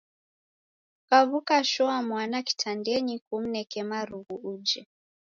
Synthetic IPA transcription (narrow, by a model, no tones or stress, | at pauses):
kaβukaʃɔamwanaki̥tʰandɛɲikum̩nɛkɛmaɾuɣuud͡ʒɛ